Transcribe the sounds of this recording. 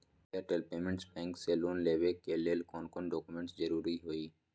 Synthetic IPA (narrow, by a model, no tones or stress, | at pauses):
eɾʈəlpeːmə̃ɳʈsbɛ̃ːŋkseloːnleːʋekeleːlkoːnkoːnɖoːkʊmẽɳʈszəɾuːɾiɦoːiː